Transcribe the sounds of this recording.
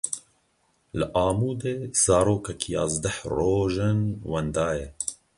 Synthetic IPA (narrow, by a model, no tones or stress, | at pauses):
ləʔɑːmuːd̪eːz̥ɑːɾoːkɛkʰijɑ̰ːzd̪ɛhroːʒɨnwɛnd̪ɑːjɛ